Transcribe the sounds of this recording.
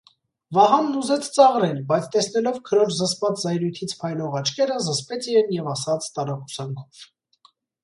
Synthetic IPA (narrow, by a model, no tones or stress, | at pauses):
vɑɦɑnːuzɛt͡sʰt͡sɑʁɾɛnbɑjt͡sʰt̪ɛsn̪ɛlɔvkʰəɾɔɾzəspɑt͡szɑjɾujt̪ʰit͡sʰpʰɑjlɔʁɑt͡ʃʰkɛɾəzəspɛt͡sʰijɛnjɛvɑsɑt͡sʰt̪ɑɾɑkusɑŋkʰɔ̥v̥